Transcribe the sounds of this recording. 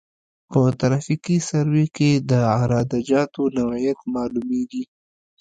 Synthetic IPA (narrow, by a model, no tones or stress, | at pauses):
pət̪aɾɑfikisaɾweked̪əaɾɑd̪ad͡ʒɑt̪onawajat̪mɑlumeɡ̪i